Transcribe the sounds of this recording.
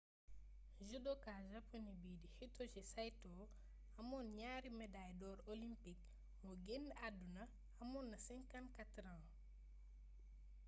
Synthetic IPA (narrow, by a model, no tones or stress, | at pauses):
ʒudokaːʒaponibiːdihitːot͡ʃisajtɔ | ɐmɔnɲaːɾimɛdajdɔːɾolimpik̚ | mɔɡendadunɐ | ɐmɔːnːɐsiŋkankatɾã